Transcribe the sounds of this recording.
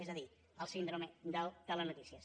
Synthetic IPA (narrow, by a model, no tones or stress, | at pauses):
ɛzəði | əlˠsind̪ɾomed̪əlˠt̪ələnut̪isiəs